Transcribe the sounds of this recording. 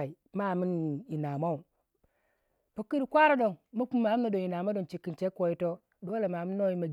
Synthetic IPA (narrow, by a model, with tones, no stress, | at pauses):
a˨i˨ | ma˦˨mi˦ni˨na˨ma˦u˨ | po˨kːi˦ɾi˨kʷa˦ɾo˦do˨ŋmo˦ku˦ma˨˦na˨do˨ŋi˨na˨ma˦do˨nt͡ʃi˨kːi˨nt͡ʃe˦ko˨ji˦to˦ | do˨˦wla˨ma˨mi˦nːo˦i˦ma˨ɡ